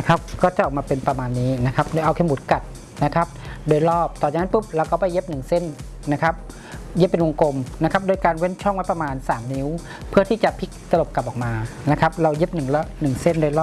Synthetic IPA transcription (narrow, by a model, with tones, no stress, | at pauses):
na˦˥kʰa˦˥p̚kɔː˥˩t͡ɕa˨˩ʔɔː˨˩maː˧pe˧npɾa˧maː˧nːiː˦˥na˦˥kʰa˦˥p̚do˧˨jʔa˧wkʰe˧˥˩bu˨˦t̪̚ka˨˩t̪̚ | na˦˥kʰa˦˥p̚doː˧jlɔː˥˩p̚t̪ɔː˨˩aː˧ŋː˧˥npɯ˦˥p̚ɾa˧wkɔː˥˩pa˨˩jːe˦˥p̚nɯ˨˩ŋse˥˩nː | a˦˥kʰa˦˥p̚ | je˦˥pːe˧nwo˧ŋko˧mna˦˥kʰa˦˥p̚doː˧˦jkaː˧nwe˦˥˨nt͡ɕʰɔ˥˩ŋwa˦˥pɾa˧maː˧nsaː˩˦mni˦˥w | pʰɯ˥˩ɐt̪ʰiː˥˩t͡ɕa˨˩pʰi˦˥k̚t̪a˧lo˨˩p̚ka˨˩p̚ʔɔː˨˩k̚maː˧na˦˥kʰa˦˥p̚ɾa˧wje˦˥p̚nɯ˨˩ŋlɛ˦˥nɯ˨˩ŋse˦˥˩ndoː˧jlɔː˥˩